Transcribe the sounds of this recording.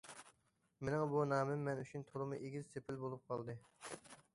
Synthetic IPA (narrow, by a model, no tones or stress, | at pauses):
menɪŋbunɑːmɪmːɛnyt͡ʃʰynt̪ʰoɾˠɨmɨʔeɡʲizsepʰɪlbolˠup̚qʰɑlˠd̪ɨ